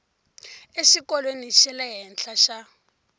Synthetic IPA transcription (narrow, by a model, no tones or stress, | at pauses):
eʃikɔlweniʃɛlɛɦɛnɬaʃa